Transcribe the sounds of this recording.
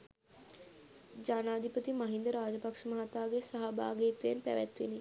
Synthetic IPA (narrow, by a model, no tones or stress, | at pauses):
d͡ʒaːnaːd̪ʱipət̪imaɦind̪əɾaːd͡ʒəpakʂəməɦat̪aːɡesaɦaba̰ːɡiːt̪ʋeenpæ̰ʋæt̪ʋḛni